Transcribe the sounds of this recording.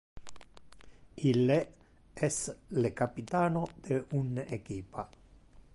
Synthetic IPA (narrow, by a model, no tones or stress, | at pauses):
ile | ɛslekapit̪aːnod̪̥eunekiːpa